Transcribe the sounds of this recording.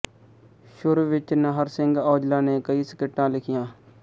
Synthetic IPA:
ʃʊɾuʋɪt͡ʃnəɦəɾsɪŋɡɔːd͡ʒlaːneːkəiːsɪkɪʈːãːlɪkʰɪjãː

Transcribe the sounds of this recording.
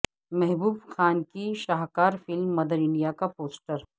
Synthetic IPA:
mɛɦbuːbxaːnkiʃaːɦkaːɾfɪlmːɐd̪əɾɪ̃ɳɖijakapoːsʈəɾ

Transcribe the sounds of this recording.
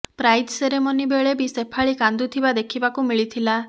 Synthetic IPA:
pɾajd̪seɾemɔnibeɭebisepʰaɭikand̪ut̪ʰibad̪ekʰibakumiɭit̪ʰila

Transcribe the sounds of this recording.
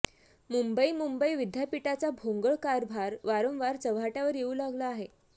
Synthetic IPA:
mumbəimumbəiʋid̪ʱjapiʈat͡sabʱoŋɡəɭkaɾbʱaɾʋaɾomʋaɾt͡səʋaʈjaʋəɾjeuːlaɡlaːɦe

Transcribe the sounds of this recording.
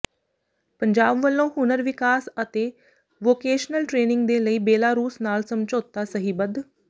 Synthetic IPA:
pəɲd͡ʒaːbʋəlːõːhʊnəɾʋɪkaːsət̪eː | ʋoːkeːʃnəlʈɾeːnɪŋɡd̪eːləiːbeːlaːɾuːsnaːlsəmt͡ʃoːt̪ːaːsəɦiːbəd̪

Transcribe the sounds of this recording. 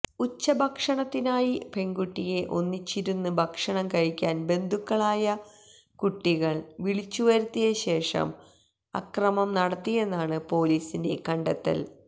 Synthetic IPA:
ut͡ɕːɐbʱɐkʂɐɳɐt̪ːinaːjibʱe̞ŋɡuʈːije̞ʔo̞nːit͡ɕːiɾunːubʱɐkʂɐɳɐmkɐɻikʲːaːnbe̞nd̪ʱukːɐɭaːjɐ | kuʈːiɣɐɭʋiɭit͡ɕːuʋɐɾut̪ːijɐɕe̞ːʂɐ̰m | ɐ̰krɐmɐmnɐɽɐt̪ːije̞nːaːɳɨpo̞ːliːsinde̞̰kɐɳɖɐt̪ːɐ̰l

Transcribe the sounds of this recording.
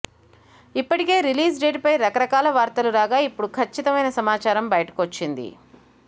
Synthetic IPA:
ipːɐʈike̞ːɾiliːs̬ɖeːʈ̚pɐjɾɐkɐɾɐkaːlɐʋaːɾt̪ɐluɾaːɡaːipːuɽukʰɐt͡ʃːit̪ɐmɐjnɐsɐmaːt͡ʃaːɾɐmbɐjɐʈɐ̥kot͡ʃːind̪ḭ

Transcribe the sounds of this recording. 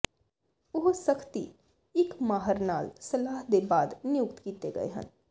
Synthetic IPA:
ʊɦsɐkʰt̪i | ɪkmaːɦəɾnaːlsɐlaːɦd̪ebaːd̪nɪjʊkt̪kiːt̪eɡɐ̰ḛɦɐ̰̃n

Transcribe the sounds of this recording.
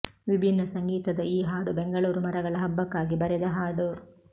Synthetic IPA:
ʋibʱinːɐsɐŋɡiːt̪ɐd̪ɐiːɦaːɽubeŋɡɐɭuːɾumɐɾɐɡɐɭɐɦɐbːɐkːaːɡibɐɾɛd̪ɐɦaːɽu

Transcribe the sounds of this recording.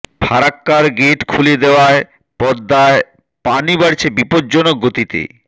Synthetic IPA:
bʰʱaɾakːaɾɡeʈkʰuled̪eoae | pɔd̪ːae | panibaɾt͡ɕʰebipod̪̚d͡ʑonoɡːot̪it̪ḛ

